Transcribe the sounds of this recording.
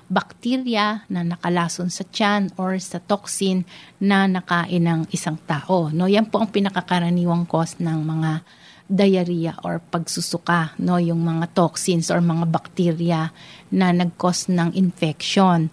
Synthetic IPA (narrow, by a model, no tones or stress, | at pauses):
bɐk̚t̪iɾjɐnɐnɐkɐlaːsonsɐt͡ʃanoɹsɐt̪oksɪnːɐnɐkaːʔɪnɐŋɪsaŋt̪aːʔo̞no̞jɐnpo̞ʔɐŋpɪnɐkɐkɐɾɐniːwɐŋko̞snɐŋmɐŋa | d̪ɐjɐɾiːjɐʔo̞̰ɹpɐɡsʊsʊkano̞jʊŋmɐŋat̪oksɪnsʔoɹmɐŋabɐk̚t̪iːɾjɐnɐnɐɡ̚ko̞snɐŋʔɪnfɛkʃo̞n